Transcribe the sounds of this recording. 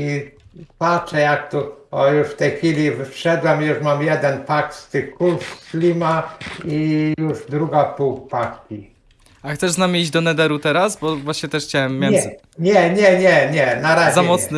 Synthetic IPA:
ipatʂɛjak̚t̪uɔjuʂft̪ɛjxfʲilʲivɘʂɛd̪wɛmjuʂmamjɛd̪ɛnpak̚t̪st̪ɪxkulflʲimaijuʐd̪ɾuɡapuwk̚pakkʲi | axt̪sɛʐznamʲiiʑd͡ʑd̪ɔnɛd̪ɛɾut̪ɛɾasbɔvwaɕɲɛt̪ɛʂxt͡ɕawɛmːjɛɛ | ɲɛɲɛɲɛɲɛnaɾazamɔt̪sn

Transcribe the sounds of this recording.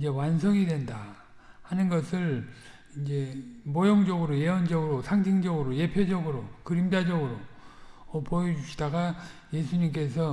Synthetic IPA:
id͡ʑe̞wans̬ʰʌŋidwe̞nda | hanɯnɡʌsʰɯɭ | ind͡ʑe̞mojoŋd͡ʑʌɡɯɾoje̞ʌnd͡ʑʌɡɯɾosʰaŋtʰiŋd͡ʑʌɡɯɾoje̞pʰjod͡ʑʌɡɯɾokɯɾimd͡ʑad͡ʑʌɡɯɾo | ʌpojʌd͡ʑuɕʰi̥daɡaje̞sʰuɲimk͈e̞sʰʌ

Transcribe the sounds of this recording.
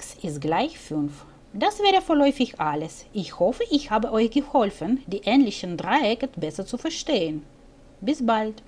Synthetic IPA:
ksɪstɡ̥laɪçfʏnf | d̥asv̥ɛːʁəfoːɐlɔʏfɪçʔaləsʔɪçhɔfəʔɪçhaːbəʔɔʏçɡ̥əhɔlfəndiːʔɛːnlɪçən̩dʁaɪɛkəbɛsɐt͡sufɛɐʃteːən | bɪsb̥alt

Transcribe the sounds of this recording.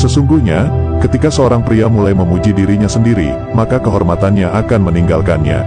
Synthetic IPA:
səsuŋɡuhɲakət̪ikasəoɾaŋpɾiamulajməmud͡ʒidiɾiɲasəndiɾḭ | makakəɦɔrmat̪anɲaʔakanməniŋɡalkanɲa̰

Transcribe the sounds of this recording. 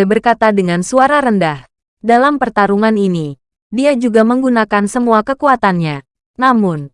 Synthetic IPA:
bərkat̪adəŋansuaɾaɾəndah | dalampərt̪aɾuŋanini | diad͡ʒuɡaməŋɡunakansəmuakəkuat̪anɲa | namʊn

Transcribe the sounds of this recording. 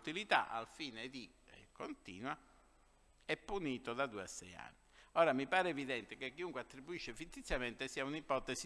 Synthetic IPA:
t̪ilit̪a̰ʔa̰lfiːned̪i | kont̪ḭːnwa | ɛpːuniːt̪oðad̪uːa̰sːɛ̰ja̰nːiɔːɾamipaːɾeːviðɛnt̪ekekːiuŋkweat̪ːɾibuiʃːefit̪ːit̪sːjament̪esiːaunipɔt̪esi

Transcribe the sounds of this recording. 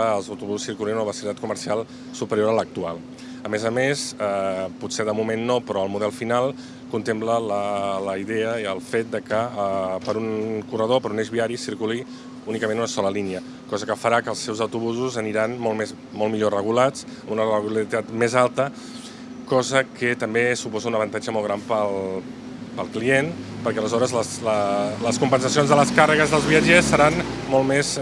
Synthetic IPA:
əːlˠzəwt̪uβuzusiɾkulinunəβəsilit̪at̪kuməɾsialˠ | supəɾioɾələk̚t̪ualˠ | əmezəmesɛputseðəmumenːopɾɔəlˠmuðɛlˠfinalˠ | kunt̪emplələləiðɛəiəlˠfet̪̚d̪əkəəpəɾunkurəðopəɾuneʒβiaɾisiɾkuli | unikəmenunəsɔləliniə | kɔzəkəfəɾakəlˠsɛwzəwt̪uβuzuzəniɾanmolmez | mɔlmiʎorəɣulad͡z | əmunərəɣulait̪at̪mezalˠt̪ə | kɔzəkət̪əmbesupɔzəunəβənt̪ad͡ʒəmɔlˠɣɾampəlˠ | pəlˠklienpəɾkɛələzɔɾəzləslələskumpənsəsionzðələskarəɣəzðəlˠzβiəd͡ʒesːəɾanmolˠmez

